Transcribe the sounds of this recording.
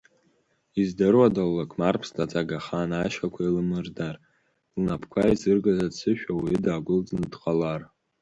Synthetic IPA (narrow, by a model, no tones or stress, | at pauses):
izdɨrwadalːakʷʼʰmarpʰstʰʼat͡sʼaɡaχanaʃakʷʰailɨmɨrdar | lnapʰkʷʰaizɨrɡazadsʰɨʃᶣawidaːɡʷʊld͡znɨdqʼalar